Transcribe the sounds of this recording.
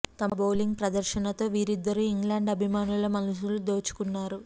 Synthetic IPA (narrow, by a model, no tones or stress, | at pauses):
t̪ɐmɐbowliŋɡpɾɐd̪ɐɾʃɐnɐt̪o̞ːʋiːɾid̪ːɐɾuiŋɡlaːɳɖɐbʱimaːnulɐmɐnuʃulud̪oːt͡ʃu̥kunːaːɾu